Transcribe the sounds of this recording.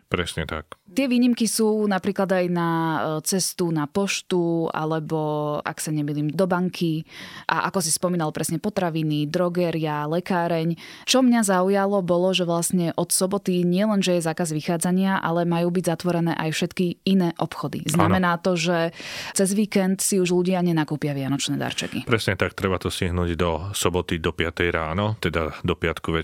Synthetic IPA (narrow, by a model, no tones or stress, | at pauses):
pɾɛ̰sɲɛ̰t̪a̰k̚t̪ɪɛʋiːɲimkisuːnapɾiːklad̪ajnat͡sɛst̪unapɔʃt̪ua̰lɛbɔʔa̰ksaɲɛmiliːmd̪ɔbaŋkʰiʔa̰ʔa̰kɔsispɔmiːnalpɾɛsɲɛpɔt̪ɾaʋinid̪ɾɔɡɛːɾɪalɛkaːɾɛɲt͡ʃɔmɲazaujalɔbɔlɔʒɛʋlasɲɛʔɔt̪sɔbɔt̪iɲɪɛlɛnʒɛjɛzaːkazʋixaːd͡zaɲɪaʔa̰lɛmajuːbiɟzat̪ʋɔɾɛnɛ̰ːʔajfʃɛt̪kiinɛːʔɔpxɔd̪ḭznammɛnaːt̪ɔʒɛt͡sɛzʋiːkɛnt̪siuʒluɟɪaɲɛnakuːpɪaʋɪanɔt͡ʃnɛːd̪a̰ɾt͡ʃɛ̰kḭpɾɛsɲɛt̪ak̚t̪ɾɛbat̪ɔsiɦnuːɟd̪ɔsɔbɔt̪id̪ɔpɪat̪ɛjɾa̰ːnɔt̪ɛd̪a̰d̪ɔpɪat̪kuʋɛ